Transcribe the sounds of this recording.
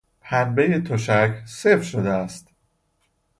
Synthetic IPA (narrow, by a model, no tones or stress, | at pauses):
pʰænbejet̪ʰoʃækʰse̞fɾʃod̪eæst̪